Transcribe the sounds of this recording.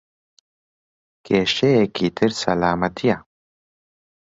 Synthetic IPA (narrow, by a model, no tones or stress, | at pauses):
keːʃeekit̪ʰiɾsɐ̰laːmɐt̪ʰija